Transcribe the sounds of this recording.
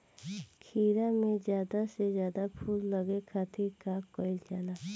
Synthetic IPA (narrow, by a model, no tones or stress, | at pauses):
kʰiːɾamẽzjaːd̪asezjaːd̪apʰulːəɡekʰat̪ʰikaːkɔit͡ʃala